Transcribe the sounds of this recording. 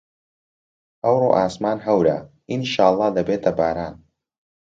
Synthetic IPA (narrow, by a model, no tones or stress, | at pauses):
ɐwro̰ːʔaːsmaːnɦɐwɾa̰ | ʔinʃaːlˠˤːɑːd̪ɐbeːt̪ʰɐbaːɾaːn